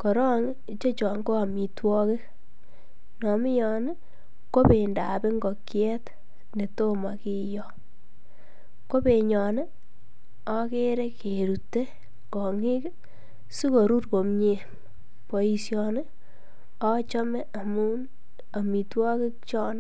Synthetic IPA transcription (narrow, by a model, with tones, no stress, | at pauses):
kɔ˨ɾɔ˦ŋ˦ | t͡ʃo˦t͡ʃɔː˨ŋɡo˦a˨mi˨twɔ˦ke˦k | nɔ˨mɪ˦jɔ˨n˦ | ko˦pe˨nda˨pe˦ŋɡɔ˨kjɛ˦t | ne˨to˦ma˨ki˦jɔ˦ | ko˦pe˨ɲɔ˨ne˦ | ɔ˦ke˦ɾe˦ke˨ɾu˨tːe˦ | kɔ˨ŋi˦k | su˦ko˨ɾu˦rko˨mɲe˦ | po˨i˨sjɔ˨n˦ | ɔ˦t͡ʃɔ˦mɛ˦a˨mu˦n | a˨mi˨twɔ˦ke˦kt͡ʃɔ˦n˦